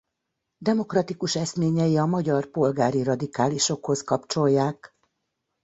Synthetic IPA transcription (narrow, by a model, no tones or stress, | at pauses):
d̪ɛmo̞krɒt̪ikuʃɛsmeːɲɛjiɒmɒɟɒrpo̞lɡaːɾirɒd̪ikaːliʃo̞kho̞skɒpt͡ʃo̞jːaːk